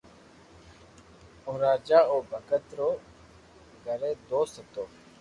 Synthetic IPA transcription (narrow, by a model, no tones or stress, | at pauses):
ʊɾaːd͡ʒaːoːbʱəkət̪ɾoː | ɡəɾeːd̪oːsət̪oː